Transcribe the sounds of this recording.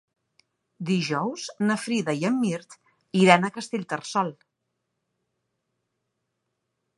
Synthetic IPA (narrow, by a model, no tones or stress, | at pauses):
d̪iʒɔwz̥nəfɾiðəiəmːiɾt̪ | iɾanəkəst̪eʎʲt̪ərsɔlˠ